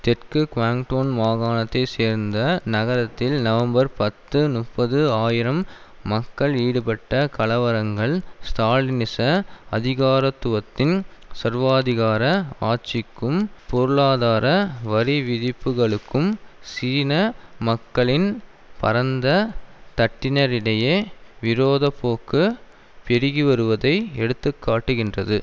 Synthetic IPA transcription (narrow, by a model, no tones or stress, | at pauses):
t̪ɛʈkɯkʋaːŋʈoːnmaːɣaːnɐt̪ːeseːɾnd̪ɐnɐɣɐɾɐt̪ːɪlnɐʋɐmbɐɾpɐt̪ːɯnʊpːɐðɯaːjɪɾɐmː | ɐkːɐɭiːɽɯpɐʈːɐkɐɭɐʋɐɾɐŋɡɐɭst̪aːɭɪnɪsɐɐðɪɣaːɾɐt̪ːʊʋɐt̪ːɪnsɐɾʋaːðɪɣaːɾɐaːt͡ʃɪkːɯmpɔɾɯɭaːðaːɾɐʋɐɾiʋɪðɪpːɯɣɐɭɯkːɯmsiːnɐmɐkːɐɭɪn | pɐ̰ɾɐnd̪ɐt̪ɐʈːɪnɐɾɪɽɐjeːʋɪɾoːðɐpːoːkːɯ | pɛɾɪɣiʋɐɾɯʋɐðɐɪɛɽɯt̪ːɯkːaːʈːɯɣɪndrɐðɯ